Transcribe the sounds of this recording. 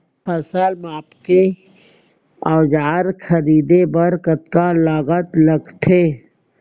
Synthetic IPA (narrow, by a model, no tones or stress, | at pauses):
pʰəsəlmaːpke | aːd͡ʒaːɾxʰəɾiːd̪ebəɾkət̪kalaːɡət̪ləɡt̪ʰeː